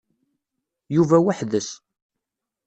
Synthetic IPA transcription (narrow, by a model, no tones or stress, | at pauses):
juvæwaħðəs